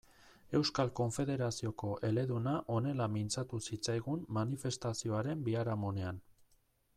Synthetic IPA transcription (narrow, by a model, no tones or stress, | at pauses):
e̞wskalko̞ɱfe̞ðe̞ɾasio̞ko̞ʔe̞le̞ðunaʔo̞ne̞lamint͡sat̪usit͡sajɣunːanife̞st̪asio̞aɾe̞mbiaɾamo̞nean